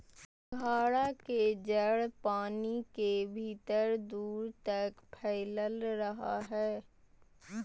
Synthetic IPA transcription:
ɡʱaːɽaked͡ʒəɽpaːnikebʱiːt̪əɾd̪uːɾt̪ɐkpʰɛːləlɾɐɦa̰ɦɛː

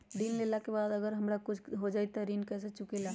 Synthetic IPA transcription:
ɾinlelakebaːd̪əɡəɾɦəmɾakut͡ʃʰɦod͡ʒajt̪ɔɾinkɛset͡ʃukela

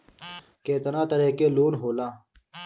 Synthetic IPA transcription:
keːt̪ɐnaːt̪ɐɾeːkeːloːnɦoːlãː

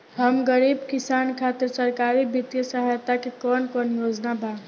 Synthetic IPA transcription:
ɦɐmɡəɾiːbkɪsaːnkʰaːt̪ɪɾsɐɾkaːɾibɪt̪jəsəɦajt̪akekɔːnkɔːnjoːd͡ʒnabʱaː

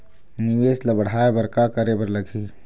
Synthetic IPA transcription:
niʋeːsləbəɽ̤ʱaebəɾkakəɾebəɾləɡʱi

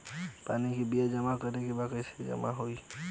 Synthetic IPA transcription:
panikibiad͡ʒəmakəɾekebakəjse̥d͡ʒə̰maɦoj

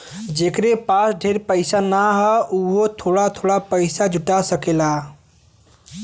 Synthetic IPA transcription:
d͡ʒekɾepasɖʱeɾpəɪsanaɦɔuɦot̪ʰoɽat̪ʰoɽapəɪsad͡ʒʱuʈasəkela

